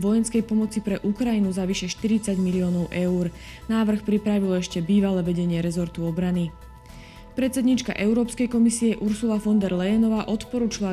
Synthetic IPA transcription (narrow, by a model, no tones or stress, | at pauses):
ʋɔjɛnskɛjpɔmɔt͡sipɾɛʔukɾajinuzaʋiʃɛʃt̪iɾit͡saɟmiliɔːnɔʊʔɛuːɾ | naːʋr̩xpɾipɾaʋilɔɛʃcɛbiːʋalɛʋɛɟɛɲɪɛɾɛzɔɾt̪uɔbɾani | pɾɛt̪t͡sɛd̪ɲiːt͡ʃka̰ʔɛʊɾɔːpskɛjkɔmisiɛʔuɾsulafɔnd̪ɛɾlɛjɛnɔʋaːʔɔt̪pɔɾuːt͡ʃila